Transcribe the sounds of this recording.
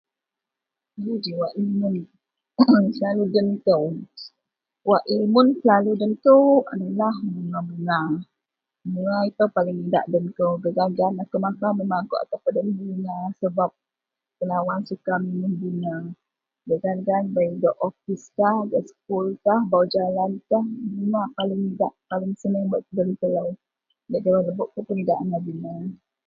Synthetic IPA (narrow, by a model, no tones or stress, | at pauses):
id͡ʒiwaʔimun | səlaludənt̪əw | waʔimʊnsəlaludənt̪əa̰nilahməŋaməŋa | məŋait̪əwpalɪŋida̰ʔdənt̪əwɡəɡanɡanakəmakaməmaɡoʔa̰t̪ahpədəməɡinasəbap̚ | pəlawansukaminuhbina | ɡəɡanɡanbaidɔʔɔfiskahɡaʔsə̥k̚ulkahbaud͡ʒalank̪ahmənapalɪŋidaʔpalɪŋsənabəʔkədəlit̪əlaw | daʔd͡ʒəwaləbʊʔk̪əpənəɡaʔanabina